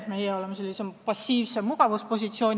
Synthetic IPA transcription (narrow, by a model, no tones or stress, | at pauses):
mejeo̞lemɑse̞lʲːisepɑsʲːiːvsemuɡ̥ɑvuspo̞s̬ʲit̪sio̞ːnʲ